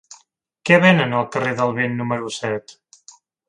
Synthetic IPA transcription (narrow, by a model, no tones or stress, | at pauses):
kɛβenənəlˠkəreðəlˠβenːuməɾusɛt̪